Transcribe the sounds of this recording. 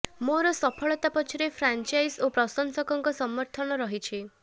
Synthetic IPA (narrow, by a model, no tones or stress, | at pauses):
moɾɔsɔpʰɔɭɔt̪apɔt͡ʃʰiɾepʰɾant͡ʃajsopɾɔsɔŋsɔkɔŋkɔsɔmɔɾt̪ʰɔnɔɾɔɦit͡ʃʰi